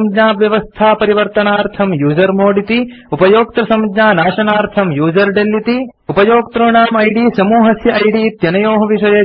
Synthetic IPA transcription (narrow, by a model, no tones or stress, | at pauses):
md͡ʒnaːʋjɐʋɐst̪ʰaːpɐɾiʋɐɾt̪ɐnaːɾt̪ʰɐmjuːd͡ʒɐɾmoːɽit̪i | upɐjoːkt̪ɐsɐmɡnaːnaːʃɐnaːɾt̪ʰɐmjuːd͡ʒɐɾɖelːit̪iupɐjoːɡ̚t̪ɾoːɳaːmɐjɖiːsɐmuːɦɐsjɐʔɐjɖiːt̪jɐnɐjoːɦɐʋiʃɐjɐ